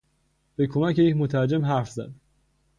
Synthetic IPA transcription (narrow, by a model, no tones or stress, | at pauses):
b̥ekʰomæcʰejecmot̪ʰæɾd͡ʒemɦæɾfzæ̰d̪